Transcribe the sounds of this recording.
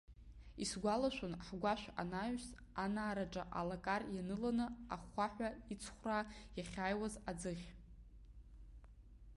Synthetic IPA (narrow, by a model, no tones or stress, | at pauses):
isɡʷalaʃʷᶣʊnħɡʷaʃʷᶣa̰naʒᶣs | anaːɾaʈ͡ʂʼa̰ʔalakʼarjanɨlanɨaχʷːaħᶣʷait͡sʰχʷrajaχʲaːjwazad͡zɨχʲ